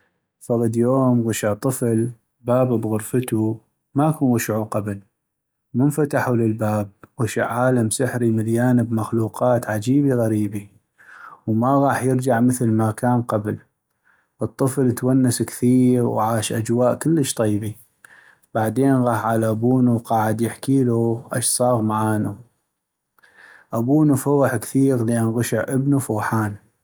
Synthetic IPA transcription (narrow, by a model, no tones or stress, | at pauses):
fɑɣɑd̪joːmɣʊʃɪʕt̪ˤːɨfl | baːbbɣʊɾfət̪u | makuːnwʊʃʕuqabl | mʊnfat̪aħuləlbaːb̚ɣɪʃɪ̰ʕːaːlamsɪħɾimaljaːnəbmaxluːqɑːt̪ʕad͡ʒiːbiɣaɾiːbi | wmaɣɑːħjəɾd͡ʒaʕməθlmakaːnqabl | ʔɨt̪ˤːɨflt̪wanːaskθiːɾwʕaːʃʔad͡ʒwaːʔkəlːəʃt̪ˤiːbi | b̥aʕd̪eːnɣɑːħʕalaʔabuːnuwqɑːʕɪd̪jɪħkiːluʔa̰ʃsˤɑːɣmaʕaːnu | ʔabuːnufʊːħkθiːɾlɪʔɪnɣʊʃɪʕʔəbnufuːħaːn